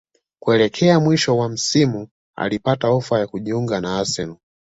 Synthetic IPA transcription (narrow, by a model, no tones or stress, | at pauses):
kuɛlɛkʰɛamwiʃɔwam̩simu | a̰lipataɔfajakuʄiuŋɡanaasɛnu